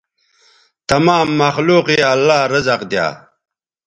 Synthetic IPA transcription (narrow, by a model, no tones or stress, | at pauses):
t̪ɐmaːmːɐxluːqeɐlːaːɾɐzɐqd̪ja̰ː